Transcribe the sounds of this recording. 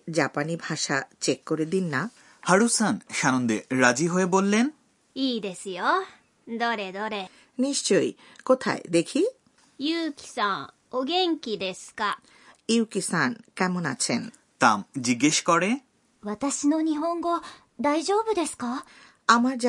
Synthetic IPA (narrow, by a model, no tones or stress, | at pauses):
d͡ʑapanibʱaʃat͡ɕekːoɾed̪inːa | haɽusanʃanond̪eɾad͡ʑiɦoebolːen | iːd̪esɨjo | d̪oɾed̪oɾe | niʃt͡ɕoj | kot̪ʰa̰ed̪ekʰi | jɯːkʲi̥sãŋ | oɡẽŋkʲid̪esɨ̥ka | iwkisankɛmona̰t͡ɕʰen | t̪amd͡ʑiɡːeʃkɔɾe | βat̪aɕinoɲ̟iɦõŋɡo̞ | d̪aiʑoːbɯ̟d̪e̞sɨ̥ka | amaɾ